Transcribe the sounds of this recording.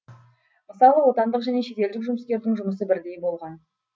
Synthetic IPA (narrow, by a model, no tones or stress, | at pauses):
məsɑlˠəwo̞t̪ɑnd̪əqʒæne̞ʃe̞t̪e̞ld̪ɪkʒʊməskʲe̞ɾd̪ɪŋʒʊməsəbɪɾd̪e̞jbo̞lˠʁɑn